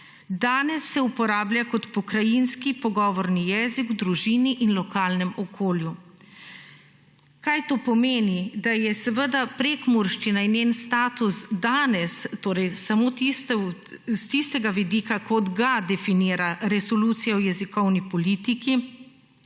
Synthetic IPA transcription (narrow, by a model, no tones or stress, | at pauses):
d̪aːnɛsːɛupɔɾaːblʲjakɔt̪pɔkɾajinskipɔɡɔːʋɔɾnijɛːzikud̪ɾuʒiːniʔinlɔkaːlnɛmɔkʰoːlju | kajt̪oːpɔmeːnid̪ajɛsɛʋəd̪apɾekmuɾʃt͡ʃinainenst̪aːt̪usd̪aːnɛst̪oːɾɛjsamoːt̪ist̪st̪ist̪ɛɡaʋid̪ikakɔd̪ɡad̪ɛfiniːɾaɾɛsɔluːt̪sijaɔjɛzikɔwnipɔliːt̪iki